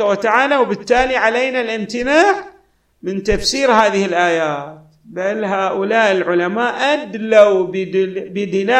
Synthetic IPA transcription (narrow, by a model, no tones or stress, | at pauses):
awat̪aʕaːlawbɪt̪ːaːliʕaleːnalʔɪmt̪ɪnaːʕ | mɪnt̪afsiːɾɦaːðɪhɪlʔaːjaːt̪ | balɦaːʔʊlaːʔɪlʕʊlamaːʔʔad̪lawbbɪd̪ɪlaː